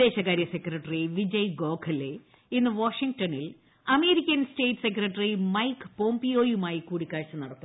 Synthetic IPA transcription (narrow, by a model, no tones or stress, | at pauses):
e̞ːɕɐkaːɾjɐse̞krɐʈːɐriʋid͡ʑɐjɡo̞ːkʰɐle | inːɨʋaːʂiŋɡʈɐnil | ɐme̞ːɾikʲːɐnsʈe̞ːʈːsekrɐʈːɐrimɐjkpoːmpijo̞ːjumaːjikuːɽikːaːɻt͡ɕːɐnɐɽɐt̪ːu